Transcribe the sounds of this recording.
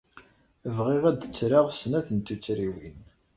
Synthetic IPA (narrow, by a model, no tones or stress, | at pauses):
əvʁiʁæd̪ə̥t͡sːɾaʁsnæθənt̪ut͡sːɾiwin